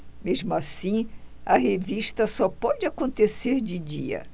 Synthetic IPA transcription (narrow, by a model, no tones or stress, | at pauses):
meʒmʊasĩɐɦeviʃt̪ɐsɔpɔd͡ʒɪakõnt̪eseɾd͡ʒɪd͡ʒiɐ̰